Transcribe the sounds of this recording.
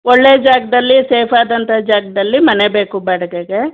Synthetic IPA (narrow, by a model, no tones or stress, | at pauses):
ɔɭːeːd͡ʒaːɡɐd̪ɐlːiseːpʰaːd̪ɐnt̪ʰɐd͡ʒaːɡɐd̪ɐlːimɐnebe̞ːkubɛɽɐɡeɡe